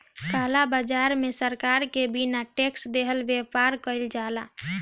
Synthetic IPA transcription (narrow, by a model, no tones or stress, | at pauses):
kalabad͡ʒaɾmesəɾkaɾkebinaʈeksd̪eɦəlbjepaɾkəɪld͡ʒala